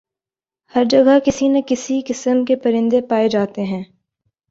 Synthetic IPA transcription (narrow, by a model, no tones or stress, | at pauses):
hɐɾd͡ʒɐɡakɪsinɐkɪsikɪsəmkepɐɾɪ̃nd̪epaːed͡ʒaːt̪eɦɛ̃ː